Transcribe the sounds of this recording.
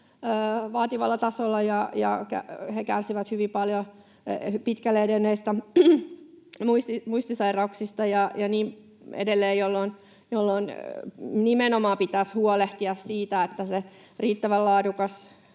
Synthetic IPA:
øːʋɑːt̪iʋɑlːɑt̪ɑsolːɑjɑjɑ̰kæ̰hekærsiʋæt̪hyʋipɑljo | pit̪kælːeedenːeist̪æ | muist̪imuist̪isɑirɑuksist̪ɑjɑjɑniːm | ḛdelːeːjjolːoin | jolːoin | nimenomɑːpit̪æshuoleht̪iɑssiːt̪æet̪ːæse | riːt̪ːæʋællɑːdukɑs

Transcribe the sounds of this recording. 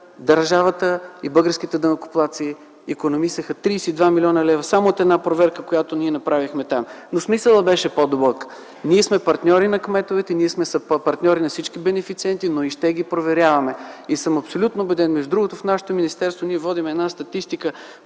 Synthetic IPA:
d̪ɐɾʒavət̪əibɤɡəɾskit̪ɛd̪ɐmɐkʊ̥plˠat̪siː | konomist̪əxət̪ɾiːsɛːd̪vamilʲɔnəlɛvɐsamoːt̪ɛd̪napɾovɛɾkəkojat̪oniɛnɐpɾavixmɛt̪amnosmisəlˠəbɛʃɛpod̪obɔk | niɛsmɛpɐɾt̪nʲɔɾinɐkmɛt̪ovɛt̪ɛniɛsmɛspɐɾt̪nʲɔɾinɐfsit͡ʃk̟ibɛnɛfit̪siɛnt̪inoiʃt̪ɛɡipɾovɛɾʲjavɐmɛisəmɐpsolʲut̪noːbɛd̪ɛnmɛʒd̪ʊd̪ɾuɡʊt̪ʊfnaʃɛ̥t̪ominist̪ɛɾst̪voniɛvɔd̪imɛɛd̪nast̪ɐt̪ist̪ikə

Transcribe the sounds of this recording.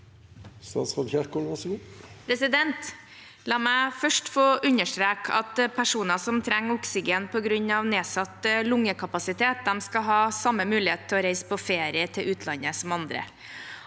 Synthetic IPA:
st̪ɑ̰ːt̪sɑd̪çæʂkɔlʋɑsɡuːpʰɾɛsɪd̪ɛnt̪ | lɑːmæɪfœʂʈfoːʔʉɲːəʂʈ̪ɾeːkɑ̰t̪pʰæʂuːnɑsɔmt̪ʰɾɛŋːʊksɪɡeːnpʰɔɡɾʉɲːɑʋneːsɑt̪lʊŋːəkʰɑpɑsɪt̪ʰeːt̪̚d̪ɛmskɑɦɑːsɑmːəmʉːlɪheːt̪̚t̪ʰɪlɔɾeɪspʰɔfeːɾɪət̪ʰɪlʉːt̪ʰlɑnəsɔmɑnd̪ɾə̰

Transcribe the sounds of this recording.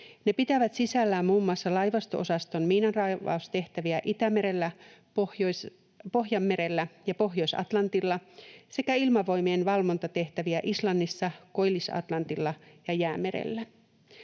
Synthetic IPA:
ne̞pit̪æʋæt̪sisælːæːmmuːmːuɑsːɑlɑjʋɑst̪oʔosɑst̪o̞nmiːnɑnrɑjʋɑ̰ust̪e̞ht̪æʋiæʔit̪æme̞ɾe̞lːæpojos | po̞ɦjɑmːe̞ɾelːæjɑpo̞ɦjo̞jsɑ̰t̪lɑnt̪ilːɑse̞kæilmɑʋo̞jmienʋɑlʋo̞nt̪ɑt̪e̞ht̪æʋiæʔislɑnːisːɑko̞jlːisɑ̰t̪lɑnt̪ilːɑjɑjæːme̞ɾḛlːæ

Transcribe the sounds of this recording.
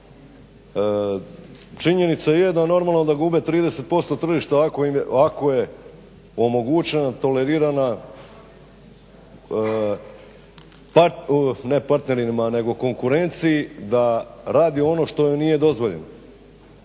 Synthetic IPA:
t͡ʃiɲe̞nit̪sajed̪ano̞ɾmalˠnod̪aɡubet̪ɾiːd̪e̞se̞t̪̚po̞st̪o̞t̪r̩ʒiʃt̪aakoimako̞je̞ | o̞mo̞ɡut͡ɕe̞nat̪o̞le̞ɾiːɾana | pane̞paɾt̪ne̞ɾimane̞ɡo̞ko̞ŋkuɾe̞nt̪siid̪aɾaːd̪io̞no̞ʃt̪o̞nije̞d̪o̞zʋo̞ʎḛno

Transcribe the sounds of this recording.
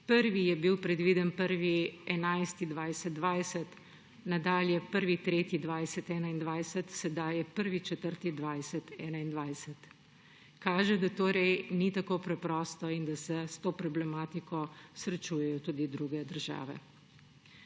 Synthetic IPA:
pəɾʋijɛbiwpɾɛd̪ʋid̪ənpəɾʋiɛnajst̪id̪ʋajsɛd̪̚d̪ʋajsɛt̪ | nad̪aːljɛpəɾʋit̪ɾeːt̪id̪ʋajsɛt̪ɛːnaind̪ʋajsɛt̪sɛd̪ajɛpəɾʋit͡ʃɛt̪əɾt̪id̪ʋajsɛt̪ɛ̰ːnaind̪ʋajsɛt̪ | kaːʒɛd̪at̪oːɾɛjnit̪akoːpɾɛpɾɔst̪ɔind̪asɛst̪oːpɾɔblɛmaːt̪ikɔsɾɛt͡ʃuːjɛjɔt̪uːd̪id̪ɾuːɡɛd̪əɾʒa̰ːʋɛ̰

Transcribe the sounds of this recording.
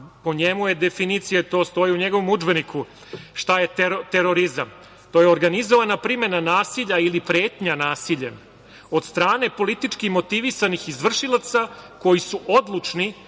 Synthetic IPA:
po̞ɲe̞mujed̪e̞finit̪sijet̪o̞ːst̪o̞jiuɲe̞ɡo̞ʋo̞mud͡ʒbe̞nikʰu | ʃt̪aje̞t̪eɾt̪e̞ɾo̞ɾizam | t̪o̞jeoɾɡanizo̞ʋanapɾime̞nanaːsiʎailipɾe̞ːt̪ɲanaːsiʎem | o̞d̪st̪ɾaːne̞po̞lit̪it͡ʂkimo̞t̪iʋisanixizʋr̩ʃilˠat̪sako̞jisuʔo̞d̪lˠut͡ʂni

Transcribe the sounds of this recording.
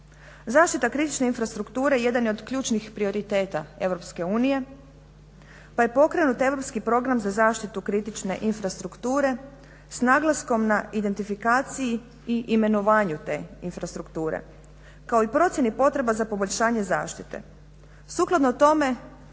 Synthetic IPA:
zaːʃt̪it̪akɾit̪it͡ʃne̞infɾast̪ɾukt̪uːɾejje̞d̪anjo̞d̪kʎuːt͡ʃnixpɾioɾit̪e̞ːt̪ae̞ʋɾo̞pske̞uːnije̞ | paje̞po̞kɾe̞nut̪e̞ʋɾo̞pskipɾo̞ɡɾamzazaːʃt̪it̪ukɾit̪it͡ʃne̞̰ʔinfɾast̪ɾukt̪uːɾe̞ | snaːɡlˠasko̞mnaid̪e̞nt̪ifikaːt̪siji | iʔime̞no̞ʋaːɲut̪e̞̰ːinfɾast̪ɾukt̪uːɾḛ | kao̞ipɾo̞t̪sjenipo̞t̪ɾe̞bazapo̞boʎʲʃaːɲe̞za̰ːʃt̪it̪e̞̰ | suklˠad̪not̪o̞me̞

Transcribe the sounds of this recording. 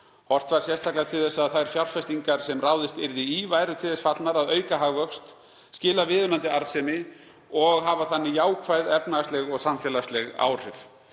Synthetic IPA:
hɔr̥t̪vaɾ̥sjɛst̪ʰaklat̪ʰɪlθɛsːaðθajɾ̥fjawlfɛst̪iŋkaɾ̥sɛmraːwðɪst̪ɪɾðɪivajɾʏt̪ʰɪlθɛsfat̪lnaɾaðœːɥkaɦaɣvœkst̪ | scɪːlavɪːðʏmant̪ɪaɾðsɛmɪ | ɔɣɦavaθanːɪjaːwkʰvajðɛpnast̪lɛɣɔɣsamfjɛlast̪lɛɣa̰ːwr̥ɪv

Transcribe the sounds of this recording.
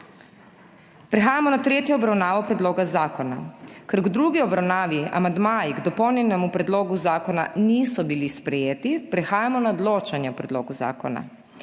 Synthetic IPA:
pɾɛxaːjamɔnat̪ɾeːt̪jɔːbɾawnaːʋɔpɾɛd̪loːɡazaːkɔna̰kɛɾɡd̪ɾuːɡiɔbɾawnaːʋia̰mand̪maːjiɡd̪ɔpɔwnjɛnɛmupɾɛd̪loːɡuzaːkɔna̰niːsɔbilispɾɛjeːt̪ipɾɛxaːjamɔnaɔd̪loːt͡ʃanjɛɔpɾɛd̪loːɡuza̰ːkɔna̰

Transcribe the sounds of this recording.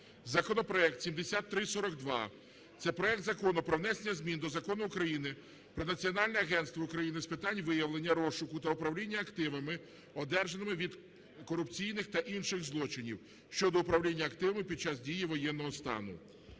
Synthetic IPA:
zɐkɔnɔpɾɔɛkt̪sʲimd̪esʲat̪ːɾɪsɔɾɔkd̪ʋɑ | t̪sɛpɾɔɛk̚t̪zɐkɔnʊpɾɔʋnɛsenʲɐzʲmʲind̪ɔzɐkɔnʊːkɾɐjinɪ | pɾɔnɐt͡sʲiɔnɑlʲnɛɐɦɛnst̪ʋɔʊkɾɐjinɪspɪt̪ɑnʲʋɪjɐʋlˠenʲːɐɾɔʃʊkʊt̪ɐʊpɾɐwlʲinʲːɐːkt̪ɪʋɐmɪ | ɔd̪ɛrʒenɪmɪʋʲid̪ | kɔɾʊpt͡sʲijnɪxt̪ɐʔinʃɪɣzlˠɔt͡ʃɪnʲiw | ʃt͡ʃɔd̪ɔʊpɾɐwlʲinʲːɐːkt̪ɪʋɐmɪpʲid̪̚t͡ʃɑsdʲijiʋɔjɛnːɔɦɔst̪ɑ̰nʊ̰

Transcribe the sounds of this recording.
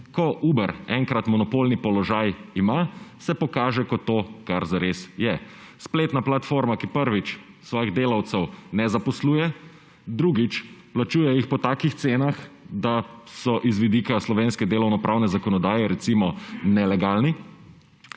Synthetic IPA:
kɔʔuːbɛɾɛŋkɾat̪mɔnɔpoːlnipɔlɔʒajimasɛpɔkaːʒɛkɔt̪oːkaɾzaɾesjɛ | spleːt̪naplat̪foːɾmakipəɾʋit͡ʃ | sʋɔːjiɣd̪eːlawt̪sɛwnɛzapɔsluːjɛ | d̪ɾuːɡit͡ʃplat͡ʃuːjɛjixpɔt̪aːkixt̪seːnaxd̪asɔʔizʋid̪iːkaslɔʋeːnskɛd̪eːlɔwnɔpɾʔawnɛzakɔnɔd̪aːjɛɾɛt̪simɔnɛlɛɡalni

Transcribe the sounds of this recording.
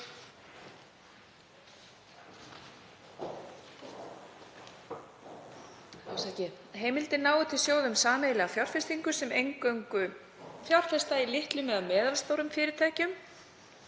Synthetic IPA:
awsacɪ | ɦeːjmɪlt̪ɪnaːwʏt̪ʰɪlsjoːwðʏmsaːmejlɪɣafjawr̥fɛst̪iŋkʏsɛmejŋkœɥŋkʏ | fjawr̥fɛst̪ailɪht̪lʏmːɛðaðmɛːðalst̪owɾʏmfɪːɾɪɾt̪ʰaːjcʏm

